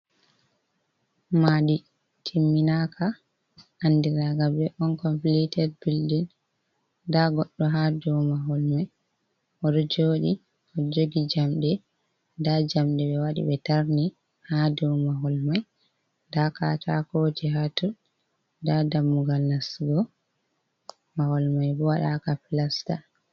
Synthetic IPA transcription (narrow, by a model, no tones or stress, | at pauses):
maɗi | tʰimːinakʰa | ʔandiɾaɡabɛʔɔnkɔmplitɛɾbildin | daɡɔɗːɔɦadɔmaɦɔlmaj | ʔɔɗɔd͡ʒoːɗi | ʔɔd͡ʒoɡid͡ʒamɗɛ | dad͡ʒamɗɛɓɛwaɗḭɓɛtaɾni | hadɔmaɦɔlmaj | daka̰tʰa̰kod͡ʒiɦatun | dadamːuɡalnasɡɔ | mahɔlmajbɔwaɗakapilasta